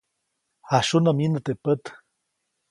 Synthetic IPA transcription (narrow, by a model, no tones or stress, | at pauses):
haʃunaminət̪epət̪